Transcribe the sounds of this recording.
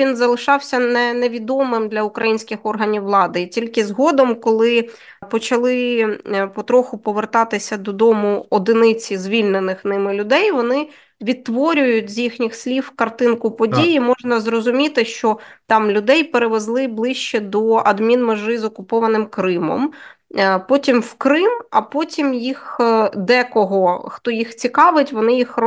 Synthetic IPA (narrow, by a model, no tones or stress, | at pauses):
ʋʲinzɐlˠɪʃɑwsʲɐnɛnɛʋʲid̪ɔmɪmd̪lʲɐʊkɾɐjinʲsʲkʲɪxɔrɦɐnʲiwːlˠɑd̪ɪitʲilʲkɪzɦɔd̪ɔmkɔlˠɪ | pɔt͡ʃɐlˠɪ | pɔt̪ɾɔxʊpɔʋert̪ɑt̪ɪsʲɐd̪ɔd̪ɔmʊɔd̪ɪnɪt͡sʲizʲʋʲilʲnenɪxnɪmɪlʲʊd̪ɛjʋɔnɪ | ʋʲit̪ːʋɔɾʲʊjʊtʲzʲjixnʲixslʲiwkɐrt̪ɪnkʊpɔdʲijimɔʒnɐzrɔzʊmʲit̪ɪʃt͡ʃɔt̪ɑmlʲʊd̪ɛjpeɾeʋezlˠɪblˠɪʃt͡ʃɛd̪ɔʔɐd̪mʲinmeʒɪzɔkʊpɔʋɐnɪmkɾɪmɔ̰m | pɔtʲimwkɾɪmɐpɔtʲimjixd̪ɛkɔɦɔxt̪ɔjixt͡sʲikɑʋɪtʲʋɔnɪjix